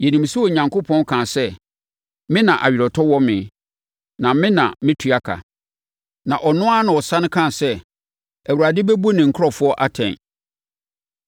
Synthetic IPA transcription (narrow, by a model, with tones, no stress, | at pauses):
jɛ˨nĩ˨m˨su˦ɔ˨ɲã˨ŋkʰo˦pʰɔ̃˦n˦kʰãː˨sɛ˦ | mɪ̃˦nã˨ʔa̰˨ɥᶣɪ˨ɾɔ˨tʰɔ˦wɔ˦mɪ̰̃˨ | nã˨mɪ̃˦nã̰˨mɪ̃˦tʰu˨a˦kʰa̰˨ | nã˨ʔɔ˨nʊ̃˦a˦nʊ̃˨ɔ˨sã˦nɪ̃˦kʰã˦˨sɛ˦ | æ˨wu˨ɾa˨dɪ˦be˦bu˦nɪ̃˨ŋ̩˨kʰʊ˦ɾɔ˨fʊ˦ɔ˦ʔa˦tʰɛ̰̃˨n